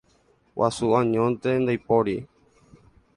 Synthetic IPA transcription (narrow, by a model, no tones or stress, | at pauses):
wʔa̰suãɲõnt̪end̪ajpoɾi